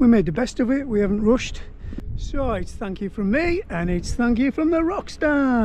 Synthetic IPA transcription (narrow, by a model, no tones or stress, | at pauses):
wimeɪd̪̚ðɨbɛstʌvɪʔwihavə̃n̩ʔɹʊʃt | soʊɪtsθæ̃ŋkjɨfɹə̃mːiə̃nɪtsθæ̃ŋkjɨfɹə̃mðəɹɑksta